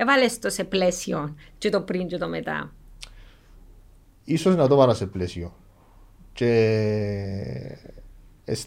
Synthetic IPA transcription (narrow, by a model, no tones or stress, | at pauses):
eβalest̪oseplesjont͡ʃut̪opɾind͡ʒut̪omet̪a̰ | isoesnat̪oβaɾaseplesjo | t͡ʃe | es